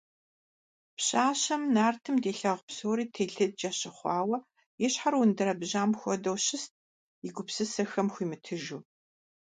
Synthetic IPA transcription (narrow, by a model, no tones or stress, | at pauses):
pɕaːɕɐmnaːrtʰɨmdeːɬɐʁpsoːɾiːtʰeːɮɨd̚d͡ʒɐɕɪχʷɑːwɐ | jɪɕħarwʊndɨɾɐbʑaːmxʷɔdɐwɕɪst̚ | ɪɡʷʊpsɨsɐxɐmxʷiːmɨtʰɨʒuː